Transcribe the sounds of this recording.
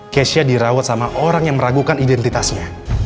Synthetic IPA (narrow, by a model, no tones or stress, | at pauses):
kɛsiadiɾawat̪̚samaʔoɾaŋjaŋməɾaɡukanidɛnt̪it̪asɲa